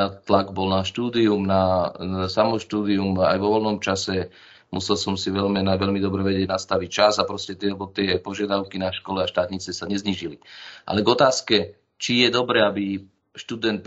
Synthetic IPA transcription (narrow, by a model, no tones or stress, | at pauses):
at̪laɡbɔlnaʃt̪uːd̪iumnaasamɔʃt̪uːd̪iuma̰jʋɔʋɔlnɔmt͡ʃasɛ | musɛlsɔmsiʋɛʎmɛnaʋɛʎmid̪ɔbɾɛʋɛɟɪɛɟnast̪aʋic̚t͡ʃazapɾɔscɛt̪ɛbɔt̪ɪɛpɔʒɪad̪aʊkinaʃkɔlɛaʃt̪aːt̪ɲit͡sɛsaɲɛzɲiːʒiliʔa̰lɛɡɔt̪aːskɛ | t͡ʃijɛd̪ɔbɾɛabi | ʃt̪ud̪ɛnt̪̚p